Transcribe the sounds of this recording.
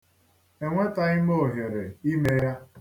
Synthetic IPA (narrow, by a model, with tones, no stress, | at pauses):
e˨ŋʷe˦ta˨ɪ˦mo˨ɦje˨ɾe˨i˦me˦ja˦